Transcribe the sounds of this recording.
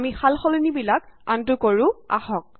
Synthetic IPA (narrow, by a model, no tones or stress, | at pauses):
mixalxɔlenibilakantʊkoɹʊ̃a̰hɔk̚